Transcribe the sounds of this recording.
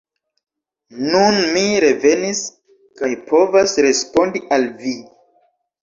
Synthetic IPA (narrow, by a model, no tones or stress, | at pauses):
nunmiɾe̞ve̞nis | kajpʰo̞vasɾe̞spo̞ndiʔalvi